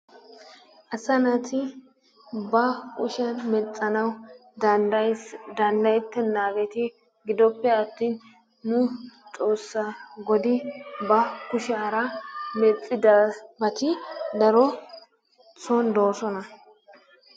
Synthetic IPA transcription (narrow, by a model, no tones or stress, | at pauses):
ʔɐsɐnɐt̪ʰɪ | bɐkʼʊʃɐnmɛt͡sʼːɐnɐwd̪ɐjd̪ɐnd̪ɐjt̪ːɛnːaːɡɛt̪ɪ | ɡɪd̪ɔpːɛɐt̪ːiːnː | ʊt͡sʼo̞ːsːɐɡɔd̪ɪbɐkʊʃaːɾɐmɛt͡sʼːɪd̪bɐt̪ɪd̪ɐɾɔ | t͡sond̪oːsɔnɐ